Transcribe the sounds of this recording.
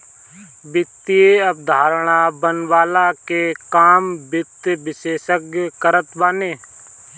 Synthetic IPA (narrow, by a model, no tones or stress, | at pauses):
bɪt̪ieəp̚d̪ʱaːɾɽ̃abənwaːlakekaːmbɪt̪ʋɪʃeːʃəkjkəɾət̪baːneː